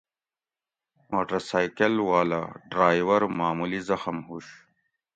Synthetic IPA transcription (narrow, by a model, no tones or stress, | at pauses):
moːʈɐɾsaːjkɐlwaːla̰ɖɾaːjwɐɾmaːmulizɐxɐmhuɕ